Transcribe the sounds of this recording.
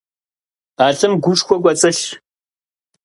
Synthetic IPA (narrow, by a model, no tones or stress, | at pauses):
aːɮɨmɡʷuʂxʷɔkʷʼɐt͡sʼɐɬ